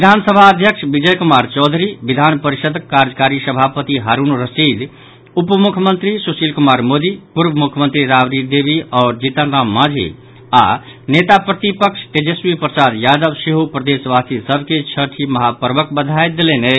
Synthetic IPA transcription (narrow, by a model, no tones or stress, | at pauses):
ʋid̪ʱansəbʱaəd̪ʱjəkʃbid͡ʒəjkumaɾt͡ʃɔd̪ʱɾiʋid̪ʱanpəɾiʃəd̪kːaɾd͡ʒəkaɾisəbʱapət̪iɦaɾunɾəsid̪ | upmukʰjəmənt̪ɾisusilkumaːɾmod̪ipuɾbəmukʰjəmə̃nt̪ɾiɾaʋɾid̪ebiɔːɾd͡ʒit̪ənɾamːãd͡ʒʱḭ | a̰net̪apɾət̪ipəkʃʈed͡ʒesʋipɾəsad̪jad̪əbsiɦupɾəd̪esʋast̪isəbʱket͡ʃʰəʈʰiməɦapəɾbəkbəd̪ʱajd̪elene